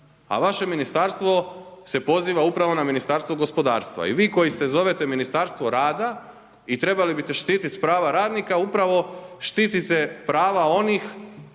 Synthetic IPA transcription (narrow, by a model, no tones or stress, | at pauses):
a̰ʋaʃe̞minist̪aɾst̪ʋo̞se̞po̞ziːʋaupɾaʋo̞naminist̪aɾst̪ʋoɡo̞spo̞d̪a̰ːɾst̪ʋa̰ḭʋiːko̞jist̪e̞zo̞ʋe̞t̪e̞minist̪aɾst̪ʋo̞ɾaːd̪a | it̪ɾe̞balibit̪e̞ʃt̪iːt̪it̪pɾaːʋaɾaːd̪nikaupɾaʋo̞ʃt̪iːt̪it̪e̞pɾaːʋao̞nix